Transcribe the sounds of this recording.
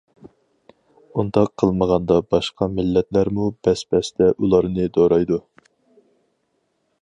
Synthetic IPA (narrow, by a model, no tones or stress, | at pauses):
und̪ɑqʰːəlˠməʁɑnd̪ɑbɑʃqʰɑmɪlːɛt̪læɾmubɛsbɛsd̪ɛʔulˠɑɾnɨd̪oɾɑjd̪u